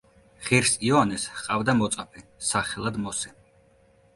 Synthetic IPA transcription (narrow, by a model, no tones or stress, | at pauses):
χiɾsiɔanɛshqʼavd̪amɔt̪sʼapʰɛsaχɛlˠad̪mɔsɛ